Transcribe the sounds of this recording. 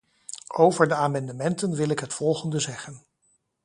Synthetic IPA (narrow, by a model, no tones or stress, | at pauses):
owvəɹdəaːmɑndəmɛntənʋɪlɪkɦətfɔlˠχəndəzɛχən